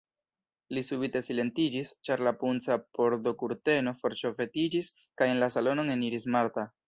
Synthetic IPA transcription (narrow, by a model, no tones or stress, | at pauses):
lisubite̞sile̞ntid͡ʒist͡ʃaɾlapunt͡sapo̞ɾdo̞kuɾte̞no̞fo̞ɾʃo̞fe̞tid͡ʒis | kaje̞nlasalo̞no̞ne̞niɾismaɾta